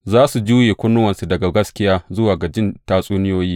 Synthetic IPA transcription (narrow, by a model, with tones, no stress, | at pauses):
zaː˦su˨d͡ʒuː˦jeː˨kʷʊ˦nːʊ˦wɐ˨nsu˨dɐ˨ɡa˨ɡɐ˦skʲɪ˦jaː˦zʊ˦waː˨ɡɐ˨d͡ʒɪ˦ntaː˦sʼuː˦nɪ˦joː˦jiː˦